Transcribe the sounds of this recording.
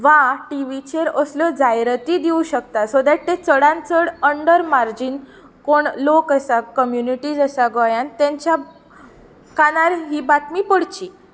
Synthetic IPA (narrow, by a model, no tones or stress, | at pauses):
ʋaʈiʋit͡ɕeɾəsljɔd͡zajɾt̪iːd̪iũɕəkt̪asod̪aʈt̪et͡səɽãnt͡səɽəɳɖəɾmaɾd͡ʑiːn | koɳlokəsakəmjuniʈiːd͡zəsaɡɔjant̪ẽɲt͡ɕja | kanaɾɦiːbat̪miːpəɽt͡ɕiː